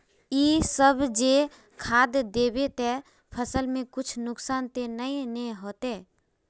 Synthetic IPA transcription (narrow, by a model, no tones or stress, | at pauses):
isəbʱd͡ʒe | kʰad̪d̪ebet̪ɛ | pʰəsəlmẽkʊt͡ʃʰnʊksaːnt̪enəinɛɦot̪e